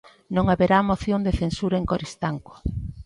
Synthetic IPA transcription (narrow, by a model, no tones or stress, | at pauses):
nõŋaβeɾamoθjond̪eθensuɾɐeŋkoɾist̪aŋko̥